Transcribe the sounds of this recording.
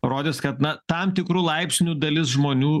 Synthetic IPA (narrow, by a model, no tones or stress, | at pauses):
roːd̪ʲɪːskɐt̪nɐt̪ɐmt̪ʲɪkɾuːlˠɐɪpʲsʲnʲuːd̪ɐlʲɪsʒmoːnʲuː